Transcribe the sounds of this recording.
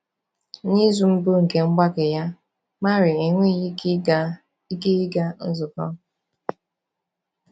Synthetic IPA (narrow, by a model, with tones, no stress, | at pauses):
ni˦zu˨m̩˦bu˦ŋ̩˨ke˨ŋ͡m̩˦ɡ͡ba˦kɪ˨ja˦ | ma˦ɾɪ˨i˨ŋʷe˦˨j | i˦ɡi˦i˦ɡa˦n̩˦zʊ˨kɔ̰˦